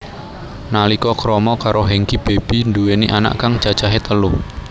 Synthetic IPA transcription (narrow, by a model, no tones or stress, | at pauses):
nalikɔkɾɔmɔkaɾoɦɛŋkib̥eb̥i̤nduweniʔana̰ʔkaŋ̥t͡ʃḁt͡ʃaɦet̪əluh